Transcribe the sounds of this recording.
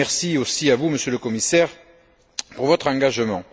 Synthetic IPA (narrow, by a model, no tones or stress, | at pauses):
ɛʁsiosiavuməsjøləkɔmisɛʁ | puʁvɔt̪χɑ̃ŋɡaʒəmɑ̃